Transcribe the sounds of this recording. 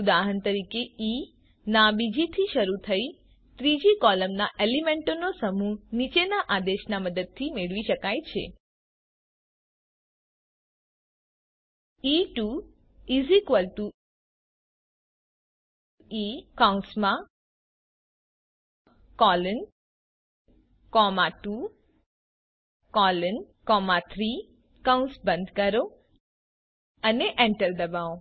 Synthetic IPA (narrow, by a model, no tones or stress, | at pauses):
ud̪aɦənt̪əɾikei | nabid͡ʒit̪ʰiʃəɾut̪ʰəi | t̪ɾid͡ʒikɔləmnaʔelimeɳʈonosəmunit͡ʃenaʔad̪eʃnaməd̪əd̪̚t̪ʰimeɭʋiʃəkajt͡ʃʰḛ | iʈu | izikʋəlt̪u | ikaw̃nsmã | kɔːlən | kɔmaʈu | kɔːlən | kɔːmat̪ʰɾi | kawnsbə̃nd̪kɐɾo | ɐneʔeɳʈəɾd̪ɐbaːõ